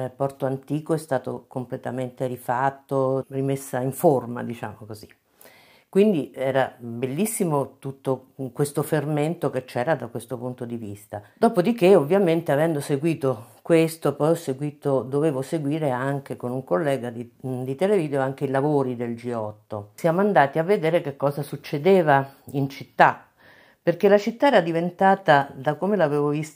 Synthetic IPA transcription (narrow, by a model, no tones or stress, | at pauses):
pɔrt̪oant̪iːkoɛst̪aːt̪o̰komplet̪ament̪eɾifat̪ːorimesːaiɱforma̰d̪it͡ʃa̰ːmokozi̥ | kwind̪iɛːɾabelːisːimot̪ut̪ːokwest̪oferment̪oket͡ʃːɛːɾad̪akwest̪opunt̪od̪ivist̪ad̪ɔːpod̪ik̟eovːjament̪eavɛnd̪oseɡwiːt̪okwest̪opɔjɔseɡwiːt̪od̪oveːvoseɡwiːɾeaŋk̟ekonuŋkolːɛːɡad̪id̪it̪eleviːd̪eoaŋk̟eilavoːɾid̪eld͡ʒiɔt̪ːosjaːmoand̪aːt̪iavːed̪eːɾekekːɔːzasut͡ʃːed̪eːvaint͡ʃit̪ːa | perkelat͡ʃit̪ːaɛːɾad̪ivent̪aːt̪ad̪akomelaveːvovis